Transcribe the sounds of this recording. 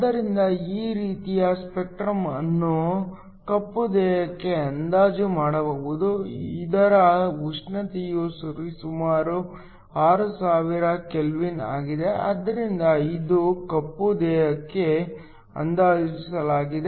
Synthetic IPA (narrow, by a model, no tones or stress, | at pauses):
d̪ːɐɾind̪ɐiːɾiːt̪ijɐspek̚ʈɾɐmɐnːu | kɐpːud̪ɛːɦɐkːe̞ɐnd̪aːd͡ʒumaːɽɐʋɐʋud̪uḭd̪ɐɾɐuʂɳɐt̪ijusuɾisumaːɾu | aːɾusaːʋiɾɐkelʋina̰ːɡid̪e̞ɐ̰d̪ːɐɾind̪ɐid̪ukɐpːud̪ɛːɦɐkːe̞ | ɐ̰nd̪aːd͡ʒisɐlaːɡid̪e